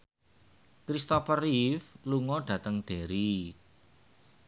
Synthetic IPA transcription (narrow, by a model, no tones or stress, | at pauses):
kɾist̪ɔfərifluŋɔɖ̥ä̤t̪əŋɖ̥e̤ɾi